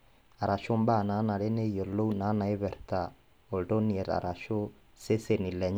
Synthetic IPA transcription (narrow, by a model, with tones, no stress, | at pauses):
a˨ɾa˨ʃo˦mba˦˨na˨˦na˨ɾe˦ne˦jo˨lo˦u˦na˨˦na˨e˦βɛ˨ɾt̪a˨ | o˨ldo˦ni˨ɛ˨ɾa̰˨ɾʔa˨ʃo˦ | se˦se˦˨ni˨lɛ˨ɲ˦